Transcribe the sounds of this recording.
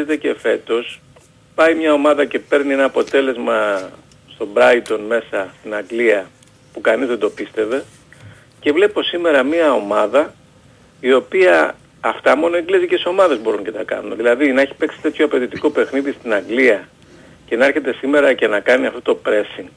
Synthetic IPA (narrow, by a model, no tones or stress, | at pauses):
et̪e̞cefe̞t̪o̞s | pɐimɲɐo̞mɐðɐce̞pe̞ɾnienɐːpo̞t̪e̞le̞zmɐ | st̪o̞bɾɐit̪o̞nme̞sɐst̪inɐŋɡliɐ | pukɐnizðed̪o̞pist̪e̞ve̞ | ce̞vle̞pipo̞sime̞ɾɐmiɐo̞mɐðɐ | io̞piɐː | ft̪ɐmo̞noeŋɡliezicet̪iso̞mɐðe̞zbo̞ɾuncet̪ɐkɐ̰numeðilɐðinɐeçi̥pe̞ksi̥t̪e̞t̪çoɐpe̞ðit̪iko̞pe̞xniðist̪inɐŋɡliɐ | ce̞nɐeɾçe̞t̪e̞sime̞ɾɐce̞nɐkɐniɐft̪ot̪opɾe̞siŋ